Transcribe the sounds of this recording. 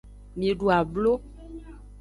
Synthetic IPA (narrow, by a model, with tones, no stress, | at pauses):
mĩ˨ɖu˨a˨blo˦